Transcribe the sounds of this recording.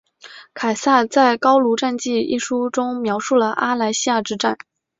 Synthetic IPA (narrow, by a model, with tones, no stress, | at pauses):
kʰa˨˩ɪsa˥˩t͡sa˥˩ɪkɑ˥ʊlu˧˥ʈ͡ʂa˥˧nt͡ɕi˥˧i˥˩ʂu˥ʈ͡ʂʊ˥ŋmjɑ˧˥ʊʂu˥˩lə˩ʔa˥la˧˥ɪɕi˥ja˥˩ʈ͡ʂɻ̩˥ʈ͡ʂa̰˥˩n